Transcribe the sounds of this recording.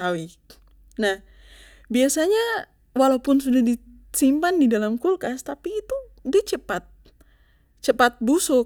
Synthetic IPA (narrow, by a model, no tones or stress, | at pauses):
awi | nah | biasaɲa | walaupʊnsudahdi | simpandidalamkulkast̪apiːt̪u | diat͡ʃəpat̪̚ | t͡ʃəpat̪̚busʊ